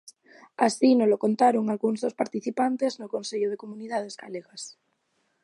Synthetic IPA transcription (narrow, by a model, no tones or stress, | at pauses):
asinolokont̪aɾoŋalɣunzðospaɾt̪iθipant̪eznokonseʎoð̞ekomuniðað̞ezɡa̰leɣas